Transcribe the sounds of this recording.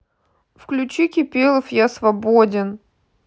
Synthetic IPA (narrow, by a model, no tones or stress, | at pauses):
fklʲʉt͡ɕikʲɪpʲelˠəfjasvɐbodʲɪn